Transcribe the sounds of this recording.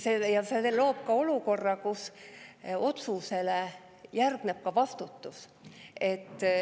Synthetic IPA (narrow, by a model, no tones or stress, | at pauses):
sejɑselo̞ːb̥̚kɑo̞luko̞rːɑkus | o̞t̪suse̞le | jærɡ̥nep̚kɑvɑst̪ut̪ːus | e̞t̪ːˑ